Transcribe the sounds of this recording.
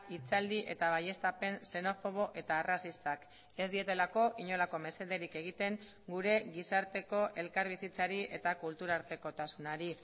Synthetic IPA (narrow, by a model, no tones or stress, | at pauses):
it͡sald̪iʔe̞t̪aβ̞aje̞st̪ape̞nse̞no̞fo̞ɣ̞o̞ʔe̞t̪aːrasist̪ak | e̞zd̪ie̞t̪elako̞ʔiɲo̞lako̞me̞se̞ðe̞ɾike̞ɣ̞it̪e̞ŋ | ɡuɾe̞ɣisaɾt̪e̞ko̞ʔe̞lkaɾβisit͡saɾie̞t̪akult̪uɾaɾt̪e̞ko̞t̪asunaɾi